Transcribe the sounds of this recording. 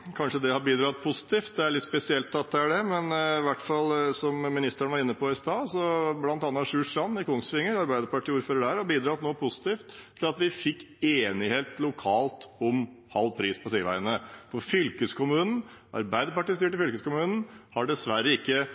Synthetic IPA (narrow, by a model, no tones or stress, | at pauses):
kʰɑnʂəd̪ɛhɑbiːd̪ɾɑːt̪̚pʰʊsɪ̥t̪ʰiːft̪̚d̪ɛæɭɪt̪spɛsɪɛlt̪ʰːɑt̪̚d̪ɛæɖɛmɛnɪʋæʈfɑlsɔmmɪnɪst̪əɳʋɑɾɪnːəpʰɔɪst̪ɑːsɔblɑnt̪ɑnːɑʂʉːʂɾɑnːɪkʰʊŋsfɪŋːəɾɑɾbæɪd̪əɾpɑʈʰiːuːɾføːɾəɖæɾɑbiːd̪ɾɑːt̪noːpʰʊsɪ̥t̪iːft̪ʰːɪlɑt̪ʋɪfɪkː | eːnɪheːt̪lʊkʰɑːlt̪ɔmhɑlːpʰɾiːspʰɔsiːəʋæ̰ɪənəfɔfʏlkəskʰʊmʉːnn̩ʔɑ̰ɾbæɪd̪əɾpɑʈiːst̪yːʈəfʏlkəskʊmʉːnn̩hɑɖɛsʋæɾːəɪkːə